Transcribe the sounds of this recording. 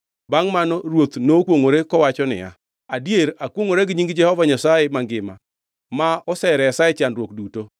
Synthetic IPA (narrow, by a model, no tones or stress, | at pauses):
baŋmanɔɾwot̪nokwoŋoɾekɔwat͡ʃɔnɪ̰ja̰ | adjeɾakwoŋoɾeɡɪɲiŋɡd͡ʒɛhɔvaɲasajemaŋɡɪma̰ | maɔsɛɾɛasaɛt͡ʃanɾwokduto